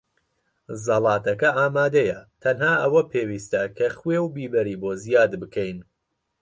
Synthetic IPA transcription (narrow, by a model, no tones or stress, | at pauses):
zɐlˠɑːt̪ʰɐkɐaːmaːd̪ɐjɐt̪ʰɐnɦaːʔɐwɐpʰeːwiːst̪ɐkʰɐχwewbiːbɐɾiːboːzijaːd̪bɨkʰɛjn